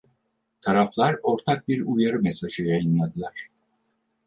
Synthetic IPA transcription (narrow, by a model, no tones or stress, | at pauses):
t̪ʰaɾaflˠaɾo̞ɾt̪ʰak̚biɾujaɾɯmesaʒɯjajɯnlˠad̪ɯlˠaɾ̥